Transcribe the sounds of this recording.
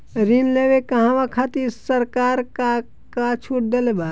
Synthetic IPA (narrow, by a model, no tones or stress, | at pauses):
ɾinleːʋekɐɦãʋakʰat̪isəɾkaːɾka | kat͡ʃʰuʈ̚d̪elebaː